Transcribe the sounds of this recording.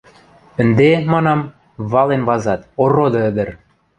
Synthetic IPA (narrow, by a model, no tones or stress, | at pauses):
ə̆nd̪emɑnɑm | βɑlenβɑzɑt̪orːod̪ɤ̆ə̆d̪ə̆r